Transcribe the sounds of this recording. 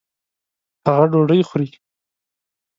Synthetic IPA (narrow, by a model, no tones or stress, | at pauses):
haɣaɖoɖəjxɾi